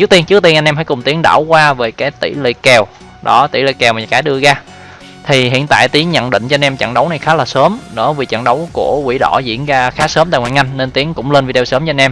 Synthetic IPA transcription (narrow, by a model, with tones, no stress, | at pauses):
t͡ɕɨ˨˦˥t̪i˧ənt͡ɕɨ˦˥t̪i˧nʔa˧ŋ̟ɛ˧mfaː˧˦jkʊ˨˩ŋ͡mt̪i˨˦əŋɗa̰ː˧˩wkwaː˧veː˨˩jkaː˨˦jt̪ḭ˧˩lḭ˧˨kɛ˨˩w | ɗɔ˨˦t̪ḭ˧˩lḭ˧˨kɛ˨˩wmaː˨˩˨kaː˨˦jɗɨ˧əɣaː˧ | t̪ʰi˨˩ɦḭ˧˨ənt̪a̰ː˧˨jt̪i˨˦əŋɲə̰˧˨nɗḭ̈˧˨ŋ̟t͡ɕɔ˧nʔɛ˧mt͡ɕə̰˧˨ŋɗə˨˦wna˨˩jxaː˨˦laː˨˩səː˨˦mnɔ̰˧˥˦vi˨˩t͡ɕa̰˧˨ŋɗə˨˦wku˧˩əkwḭ˧˩ɗɔ̰˧˩zḭ˧˥ənɣaː˧xaː˨˦˥səː˨˦mt̪aː˧˨jŋwaː˧˨jŋa˧jŋ̟ːe˧nt̪i˨˦əŋkʊ̰˧˥ŋ͡mle˧nvi˧ɗe˧səː˨˦mt͡ɕɔ˧jnʔɛ˧m